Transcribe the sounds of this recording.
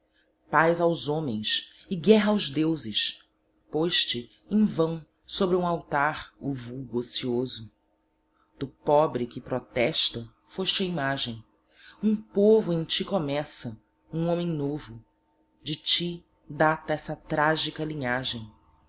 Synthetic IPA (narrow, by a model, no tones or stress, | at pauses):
pajzawzõmẽj̃s | ɪɡɛɦɐawzd̪ewzɪʃ | pojʃt͡ʃɪ | ẽj̃vɐ̃w̃ | sobɾɪũawt̪aɾʊvuwɡosiozʊ | d̪̥ʊpɔbɾɪkɪpɾɔt̪ɛʃt̪ɐ | foʃt͡ʃɪɐimaʒẽj̃ | ũpovʊẽj̃t͡ʃikomɛsɐ | ũõmẽj̃novʊ | d͡ʒɪt͡ʃi | d̪at̪ɐɛsɐt̪ɾaʒikɐlĩɲaʒẽj̃